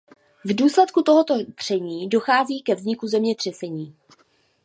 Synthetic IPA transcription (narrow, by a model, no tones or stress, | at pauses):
vduːslɛt̪kut̪o̞ɦot̪o̞d̪̥r̝̥ɛɲiːdo̞xaːziːkɛvzɲɪkuzɛmɲɛd̪r̝̥ɛsɛɲiː